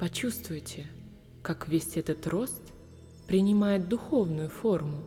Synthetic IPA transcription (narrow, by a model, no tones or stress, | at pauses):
pɐt͡ɕust̪vʊjtʲɪ | kakvʲesʲɛt̪ət̪ro̞st̪ | pɾʲɪnʲɪmajɪt̪̚d̪ʊxo̞vnʊjʊfo̞rmʊ